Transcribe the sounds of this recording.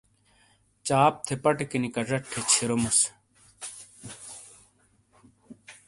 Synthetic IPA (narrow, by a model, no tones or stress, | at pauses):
t͡ɕaːp̚t̪ʰepɐʈekinikɐʐɐʈʰːet͡ɕʰiɾomus